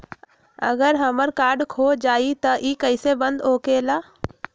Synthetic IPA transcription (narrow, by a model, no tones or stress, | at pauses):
ə̰ɡəɾɦəməɾkaːɾɖkʰoːd͡ʒaːit̪ɐʔiːkəɪsebə̃nd̪oːkeːlaː